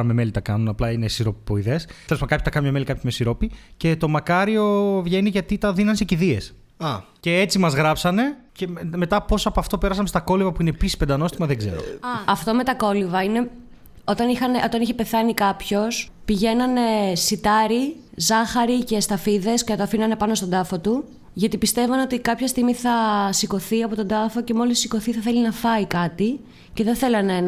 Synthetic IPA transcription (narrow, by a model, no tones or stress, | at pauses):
ɐmeme̞lit̪ɐkɐnunɐplɐine̞siɾopipoiðe̞selespmɐkɐpçot̪ɐkɐnmɲɐmelikɐpçomesiɾo̞pice̞t̪o̞mɐkɐɾio̞vʝe̞niʝɐt̪it̪ɐðinɐnse̞ciðie̞s | ɐ | ce̞et͡simɐzɣɾɐpsɐne̞ceme̞t̪ɐpo̞sɐpoɐft̪o̞pe̞ɾɐs̬ɐmest̪ɐko̞livɐpuinepisi̥sped̪ɐno̞st̪imɐðeɡze̞̰ɾo̰ɐft̪o̞me̞t̪ɐko̞livɐine̞ | o̞t̪ɐnixɐneʔo̞t̪ɐniçepe̞θɐnikɐpço̞s | piʝe̞nɐne̞sit̪ɐɾi | zɐxɐɾice̞st̪ɐfiðe̞sceɐt̪oɐfinɐne̞pɐno̞st̪o̞d̪ɐfo̞t̪u | ʝɐt̪ipist̪e̞vɐno̞t̪ikɐpçɐst̪iɣmiθɐsiko̞θiɐpo̞t̪o̞d̪ɐfo̞ce̞mo̞lissːikoθiθɐθe̞linɐfɐikɐt̪i | ce̞ðeθe̞lɐnen